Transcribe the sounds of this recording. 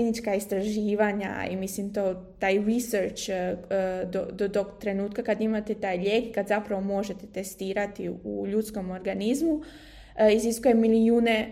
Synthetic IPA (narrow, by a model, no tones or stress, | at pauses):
nit͡ʃkaist̪ɾaʒiːʋaɲa̰ḭmislimt̪ot̪ajɾiseɾt͡ʃː | d̪od̪od̪ot̪ɾe̞nuːt̪kakad̪imat̪et̪aːjʎe̞kkad̪zapɾaʋo̞mo̞ʒe̞t̪et̪e̞st̪iːɾat̪iuʎut̪sko̞mo̞ɾɡanizmu | iziskujemilijuːne̞